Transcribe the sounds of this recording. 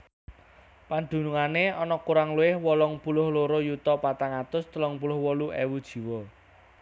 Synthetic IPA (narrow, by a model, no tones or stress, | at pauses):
pand̪̥ṳnuŋaneɔnɔkuɾaŋluɪhwɔlɔŋpulʊhloɾɔjut̪ɔpat̪aŋat̪ʊst̪əlɔŋpulʊhwɔluʔewud̥ʒ̥i̤wɔ